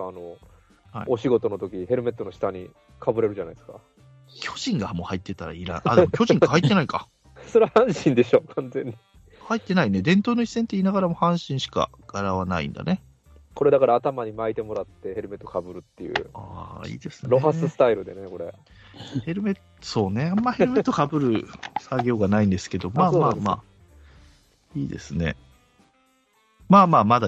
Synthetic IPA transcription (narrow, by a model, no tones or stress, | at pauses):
ano | ha̰ḭoɕiɡo̞t̪o̞not̪o̞kʲiɦe̞ɾɯ̟me̞t̪ːo̞no̞ɕi̥t̪aɲ̟ḭ | kʰabɯ̟ɾe̞ɾɯ̟ʑana̰id̪esɨ̥ka | kʲʰo̞ʑ̥ĩŋɡamo̞ːhait̪ːe̞t̪aɾa̰iɾã̰ɰ̃ʔad̪emo̞kʲo̞ʑĩŋkahait̪ːe̞naika | soɾehãɰ̃ɕĩnd̪e̞ɕo̞kʰãnzẽ̞ɲ̟ːi | hait̪ːe̞nained̪ẽ̞nt̪o̞ːnoi̥sent̪e̞iːnaɡaɾamo̞hãɰ̃ɕĩɰ̃ɕi̥ka̰ | ɡ̥aɾaβana̰ḭ̃nd̪a̰ne̞ | ko̞ɾe̞d̪akaɾaːt̪amaɲ̟imait̪e̞mo̞ɾat̪ːe̞he̞ɾɯme̞t̪ːokabɯ̟ɾɯ̟t̪ːejɯ̟̰aːḭːd̪e̞sɨnɾo̞ɦaɨsɨ̥t̪aiɾɯ̟d̪eneko̞ɾḛ | he̞ɾɯ̟me̞t̪ | so̞ːne̞amːahe̞ɾɯ̟met̪ːo̞kabɯ̟ɾɯ̟saɡʲo̞ːɡanaĩnd̪e̞sɨ̥ke̞d̪o̞maːmaːma̰ː | iːd̪e̞̰sɨne̞̰ | maːmaːmad̪a